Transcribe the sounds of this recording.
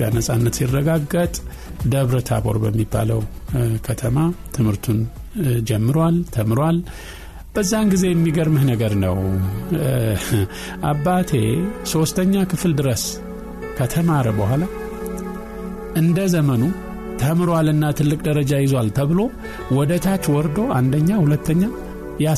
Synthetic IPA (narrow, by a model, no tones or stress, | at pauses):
janəsʼanːət̪sirːəɡaɡːət̪ʼ | d̪əβɾət̪ʰa̰bo̰ɾbəmːibːa̰ləwkʰət̪ʰəmat̪ʰɨmhɨɾt̪ʰund͡ʒɛmːɨɾwalt̪ʰəmɨɾwal | b̥əzːanɡize̞jɛmːiɡəɾmɨhnəɡəɾnə̰w | ʔabːat̪ʰe̞so̞st̪ʰəɲːakʰɨfld̪ɨɾəs | kʰət̪ʰəmaɾəbəhʷala | ʔɨnd̪əzəmənu | t̪ʰəmɨɾwalɨnːat̪ʰɨlːɨkʼd̪əɾəd͡ʒajɪzwalt̪ʰəβɨlo̞ | wɔd̪ət̪ʰat͡ʃːwɔɾd̪o̞ʔand̪əɲːahulət̪ʰːəɲːa | ja